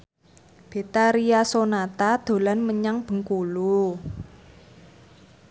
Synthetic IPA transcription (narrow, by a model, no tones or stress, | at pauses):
b̥e̤t̪aɾiasonat̪ad̪̥o̤lanməɲaŋb̥ə̤ŋkulu